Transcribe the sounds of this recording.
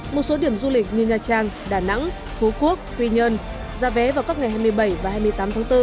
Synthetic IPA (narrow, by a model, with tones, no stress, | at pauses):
mo˨˩t̚so˨˦ɗi˧˩əmzu˧lï˨˩k̟̚ɲɨ˧˩ɲaː˨˩t͡ɕaː˧ŋɗaː˧˩na̰˧˥ŋ | fu˨˦ku˦˥ək̚t̪wi˧ɲə˧n | zaː˨˧˦vɛ˨˦vaː˨˩wka˦˥p̚ŋa˨˩jɦaː˧jmɨ˧əjɓə˧˩jvaː˨˩ɦaː˧jmɨ˧əjt̪aː˨˦mt̪ʰːŋt̪ɨ˧